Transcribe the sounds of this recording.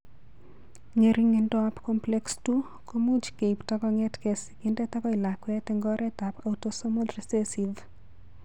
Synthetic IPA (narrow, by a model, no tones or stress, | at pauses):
ɲeɾiŋendɔapkɔmplɛkstu | komud͡ʒkeiptakɔŋɛtkesɪkɪndɛtakɔɪlakwɛtɛŋɡɔɾɛtapautosomodrisesiv